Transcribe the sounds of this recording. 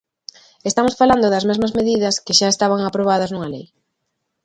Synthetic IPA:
est̪amosfaland̪ʊðɐzmezmɐzmeðiðɐskɪʃaest̪aβaŋapɾoβ̞að̞ɐznuŋɐlej

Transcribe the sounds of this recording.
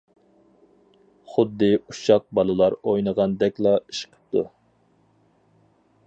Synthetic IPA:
χʊd̪ːɨuʃɑq̚bɑlˠɨlˠɑɾojnəʁɑnd̪ɛkʲlˠɑiʃqʰə̥p̚t̪ʰu

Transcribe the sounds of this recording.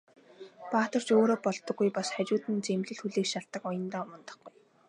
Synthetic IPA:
paːt̪ɞ̆r̥t͡ɕoːɾoːpɔɮt̪ɞ̆ɡːujpasχæt͡ɕʊːt̪ɘ̆nt͡semɮɘ̆ɮxuɮeːkʃaɮt̪ːə̆kɔjɞ̆nt̪aːmɔnt̪ɞ̆χɡuj

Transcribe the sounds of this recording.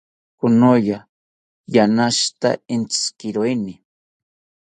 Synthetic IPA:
kʊnoja | janaʃt̪a̰ent͡sskɪɾojnɪ

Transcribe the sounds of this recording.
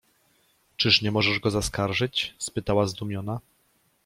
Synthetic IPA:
t͡ʂɘʂɲɛmɔʐɛʐɡɔzaskaɾʐɘt͡ɕspɘt̪awazd̪umʲjɔna

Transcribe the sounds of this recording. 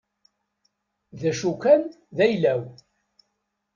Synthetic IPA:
ðæʃukæn | ðæjlæw

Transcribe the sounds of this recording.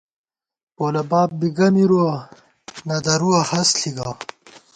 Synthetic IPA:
poːlɐbaːp̚biɡɐmiɾuɐ | nɐd̪ɐɾuɐhɐsɬiɡaː

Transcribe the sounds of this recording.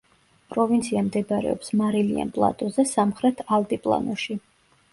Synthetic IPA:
pʼɾɔvint̪sʰiamd̪ɛbaɾɛ̰ɔpsmaɾilia̰npʼlˠa̰t̪ʼɔzɛsamχɾɛt̪ʰalt̪ʼipʼlˠa̰nɔʃi

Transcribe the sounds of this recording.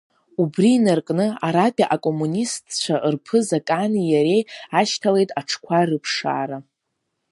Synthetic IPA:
ubriːnarkʼnɨaɾapʼaʔakʼo̞munistʰt͡ʃʷʰaʔɨrpʰɨzakʼanijaɾe̞jaʃtʰale̞jtʼaʈ͡ʂʰkʷʰarɨpʰʂa̰ːɾa

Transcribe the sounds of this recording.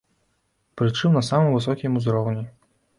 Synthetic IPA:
pɾɨt͡ʂɨmnɐsamɨmvɨsɔkʲimuzɾɔwnʲi

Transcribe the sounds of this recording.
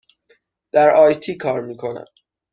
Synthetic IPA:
d̪̥æɾɒːjt̪ʰiːkʰɒːɾmiːkʰo̞næ̰m

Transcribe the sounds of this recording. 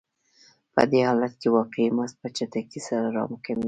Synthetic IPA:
pə̰d̪ehɑlat̪̚kewɑqeimas̚pət͡ʃat̪akisaɾaɾɑ̰mʊkɪma

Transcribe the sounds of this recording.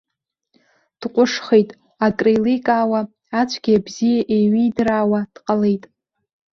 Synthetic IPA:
d̥qʷʼʊʂχejtʼ | akʼrejlijkʼaːwa | at͡ʃʷʰʼɡʲiabzijaʔeɥijdraːwad̥qʼalejtʼ

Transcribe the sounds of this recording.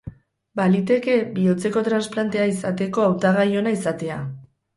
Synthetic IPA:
balit̪e̞ke̞bio̞t͡se̞ko̞t̪ɾansplant̪e̞aisat̪e̞ko̞awt̪aɣajo̞naisat̪e̞a

